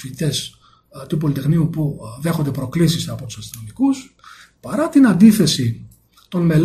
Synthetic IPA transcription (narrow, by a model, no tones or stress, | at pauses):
iit̪e̞s | t̪upo̞lit̪e̞xniupuðe̞xond̪epɾo̞klisisɐpo̞t̪u̥sɐst̪ino̞mikus | pɐɾɐt̪inɐnd̪iθe̞si | t̪o̞nme̞l